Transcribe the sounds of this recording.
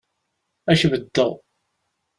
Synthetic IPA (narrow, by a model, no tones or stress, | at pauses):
æʃvəd̪ːəð